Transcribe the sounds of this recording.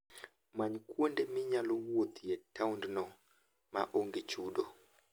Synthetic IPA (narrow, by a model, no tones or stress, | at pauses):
maɲkwondemɪɲalɔwwot̪jetawndnɔ | maʔoŋɡet͡ʃudo